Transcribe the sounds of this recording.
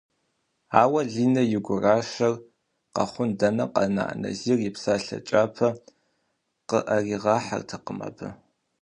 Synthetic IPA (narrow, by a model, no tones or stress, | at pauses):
aːwɐɮiːnɐjɪɡʷʊraːʃɐr | qɐ̰χʷʊndɐnɐqɐ̰na̰ːʔnɐ̰zirjɪpsaːɬɐ̰t͡ʃʼaːpʰɐ | qəʔɐriːʁɑːħa̰rtʰɐqəmɐ̰bʰɨ